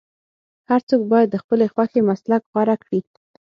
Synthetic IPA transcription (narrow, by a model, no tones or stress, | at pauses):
haɾt͡sok̚bɑjad̪ːəxpəlexwaxemaslakɣwaɾakɽi